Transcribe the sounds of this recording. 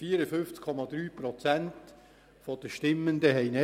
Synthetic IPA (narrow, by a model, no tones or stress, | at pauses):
fiːəɾəfʏnft͡skʰɔmɑd̥̪ɾyːpɾɔt͡sænt | fɔd̥əʃtɪmːənd̪əɦɛɪnɛ